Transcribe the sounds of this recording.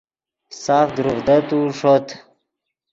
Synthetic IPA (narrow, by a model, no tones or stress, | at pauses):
saːfd̪ɾuvd̪ət̪uʂot̪ʰ